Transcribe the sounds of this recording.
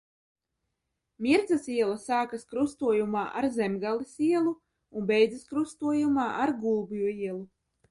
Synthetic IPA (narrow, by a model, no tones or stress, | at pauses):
miɾd̪zasiɛlˠɐsaːkaskɾust̪uɔjumaːʔaɾzɛmɡalˠisiɛlˠu | unbɛjd̪zɐskɾust̪uɔjumaːʔaɾɡulˠbjuiɛlˠu